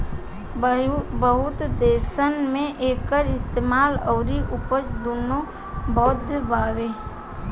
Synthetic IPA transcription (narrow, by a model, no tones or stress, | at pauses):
bəɦʊt̪d̪eːsənmẽʔeːkːəɾɪst̪eːmaːlɔːɾiʔʊpət͡ʃd̪oːno | bɔːd̪ʱbaːʋeː